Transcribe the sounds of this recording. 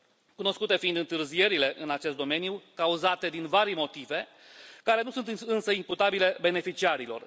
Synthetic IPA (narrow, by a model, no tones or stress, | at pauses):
kuno̞skut̪e̞find̪ɨnt̪ɨrzije̞ɾile̞ʔɨnat͡ʃe̞st̪d̪o̞me̞njukauzat̪e̞d̪invaɾimo̞t̪ive̞ | kaɾe̞nusunt̪ɨnsəimput̪abile̞be̞ne̞fit͡ʃiaɾilo̞̰r